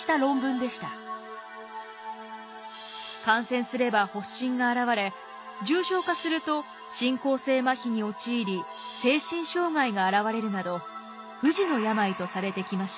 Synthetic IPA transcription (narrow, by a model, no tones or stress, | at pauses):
i̥t̪aɾõ̞mbɯ̟̃nd̪e̞ɕi̥t̪a | kãɰ̃sẽ̞ɰ̃sɨɾe̞baho̞ɕːĩŋɡaːɾaβaɾe̞ | d͡ʑɨːɕo̞ːkasɨɾɯ̟t̪o̞ | ɕĩŋko̞ːse̞ːmaçʲiɲ̟io̞t͡ɕiːɾʲi | se̞ːɕĩɰ̃ɕo̞ːŋaiɡaːɾaβaɾe̞ɾɯ̟nad̪o̞ | ɸɯ̟ʑino̞jamait̪o̞saɾe̞t̪e̞kʲimaɕi̥t̪a